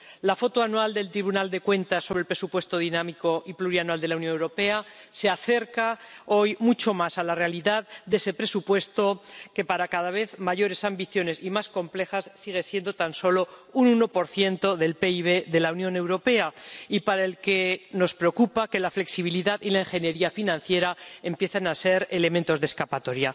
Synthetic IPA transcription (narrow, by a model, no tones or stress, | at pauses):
lafo̞t̪oanwald̪e̞lt̪ɾiβunald̪e̞kwe̞nt̪asːo̞βɾelpɾe̞supwe̞st̪o̞ðinamiko̞ʔipluɾianwald̪elawnjonewɾo̞pe̞ase̞aθe̞ɾkao̞jmut͡ʃo̞masalare̞aliðaðd̪e̞se̞pɾe̞supwe̞st̪o̞ke̞paɾakaðaβ̞e̞θmaʝo̞ɾe̞sambiθjo̞ne̞simasko̞mple̞xassiɣ̞e̞sjend̪o̞t̪anso̞lo̞ununo̞po̞ɾθje̞nt̪o̞ðe̞lpe̞iβ̞e̞ðe̞launjõ̞ne̞wɾo̞pe̞aipaɾae̞lke̞no̞spɾe̞o̞kupake̞lafle̞ksiβ̞iliðaðilaiŋxe̞nje̞ɾiafinãnθje̞ɾaempje̞θenase̞ɾe̞le̞mẽnt̪o̞zðe̞skapat̪o̞ɾja